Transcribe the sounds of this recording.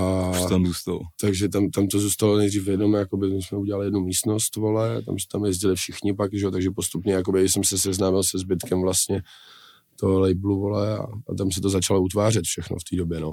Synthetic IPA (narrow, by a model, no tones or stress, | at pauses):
at̪amzust̪alot̪aɡʒɛt̪amt̪amt̪o̞zuːst̪alonɛjd̪riːfvjɛdomɛjako̞bɪmɪsmɛuɟɛlalɪjɛdnumiːst̪no̞st̪vo̞lɛt̪a̰msɛ̥t̪amjɛzɟɪlɪfʃɪxɲɪpakʒɛot̪aɡʒɛpo̞st̪upɲɛjak̬obɪɪsɛmsɛsɛznaːmɪlsɛzbɪt̪kɛmvlast̪ɲɛ | t̪oɦolɛjbluvo̞lɛa̰ːt̪ams̬ɛt̪ozat͡ʃalout̪vaːrɛt̪fʃɛxno̰ft̪iːdobjɛno